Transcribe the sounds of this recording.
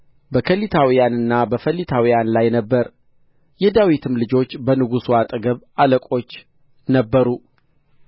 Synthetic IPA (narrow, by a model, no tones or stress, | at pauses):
bəkʰəlːit̪ʰawijanɨnːabəfəlːit̪ʰawijanlajnəbːəɾ | jɛd̪awit̪ʰɨmlɨd͡ʒo̞t͡ʃːbənɨɡusuat̪ʼɨɡəβaləkʼo̞t͡ʃː | nəbːəɾu